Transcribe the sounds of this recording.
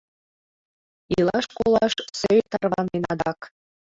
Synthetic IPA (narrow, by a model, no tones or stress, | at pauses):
ilɑʃkolɑʃsøjt̪ɑrβɑmenɑd̪ɑk